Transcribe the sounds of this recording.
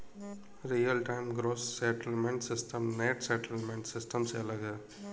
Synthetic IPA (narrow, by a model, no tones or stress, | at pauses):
ɾiːjɐlʈɐɪmɡɾoːssɛʈɪlmeɳʈsɪsʈʰɐmneːʈsɛʈɪlmẽɳʈsɪsʈɐmsḛlɐɡɨ